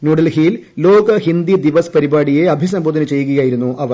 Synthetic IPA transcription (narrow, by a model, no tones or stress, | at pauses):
nuɽɐlɦijillo̞ːɡɐhind̪id̪iʋɐspɐɾibaːɽije̞ɐbʱisɐmbʱoːd̪ɐnɨt͡ɕe̞jːukːujaːjiɾunːuʔɐʋɐ